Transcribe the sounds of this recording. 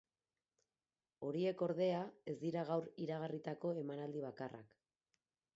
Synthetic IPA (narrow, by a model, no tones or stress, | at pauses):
o̞ɾie̞ko̞ɾðe̞ae̞zd̪iɾaɣ̞awɾiɾaɣ̞arit̪ako̞e̞manald̪iβ̞akarʔa̰k